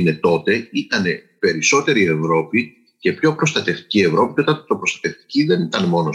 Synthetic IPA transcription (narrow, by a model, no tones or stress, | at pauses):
ne̞t̪o̞t̪e̞it̪ɐne̞ | pe̞ɾiso̞t̪e̞ɾie̞vɾo̞pi | ce̞pço̞pɾo̞st̪ɐt̪e̞ft̪i̥cie̞vɾo̞pico̞t̪ɐnt̪opɾost̪ɐt̪e̞ft̪i̥ciðe̞nit̪ɐnmo̞no